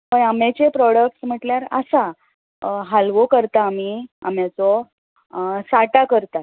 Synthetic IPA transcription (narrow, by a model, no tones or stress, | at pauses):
pəɳamjet͡ɕepɾɔɽək̚ʈsm̤əʈljaɾa̰sa | ɦalʋokəɾt̪aːmia̰m̤jat͡sɔ | saʈakəɾt̪a